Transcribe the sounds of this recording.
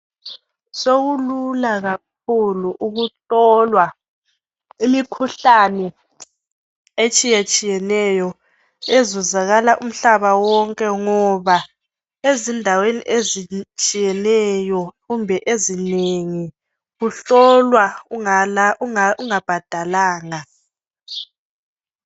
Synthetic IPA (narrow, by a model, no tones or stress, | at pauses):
soɣululaɣak̚ʰuluʔuɣuɬɔlwa | imikʰuɬanɛ | et͡ʃʼijat͡ʃʼijɛnɛjɔ | ezuzaɣalaʔum̩ɬaβawɔŋkʼɛŋɔβa | ezindʱawenḭʔezit͡ʃʼijɛnɛjɔɣumbʱɛʔezineŋi | ɣuɬɔlwa | uuŋab̥ʱad̥ʱalaːŋa